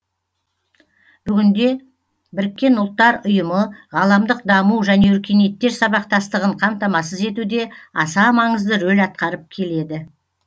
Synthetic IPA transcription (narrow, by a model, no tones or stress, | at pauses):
b̥ʏɡʲɪnd̪e̞ | bɪɾɪkʲːe̞nʊlˠt̪ːɑɾʊjəməʁɑlˠɑmd̪əq̚d̪ɑmuwʒæne̞ʏɾkʲʰe̞ne̞t̪ːe̞ɾsɑβɑq̚t̪ɑst̪əʁəɴqʰɑmt̪ɑmɑs̬əze̞t̪ud̪e̞ɑsɑmɑɴəzd̪əɾɵlʲɑt̪̚qɑɾəp̚kʲʰe̞le̞d̪ɪ